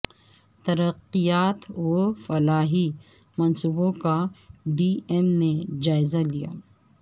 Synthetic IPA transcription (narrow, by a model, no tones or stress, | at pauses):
t̪ɐɾəqːijaːt̪ofɐlaːɦi | mɐnsuːbõkaɖiɛmned͡ʒaːɪzalija̰ː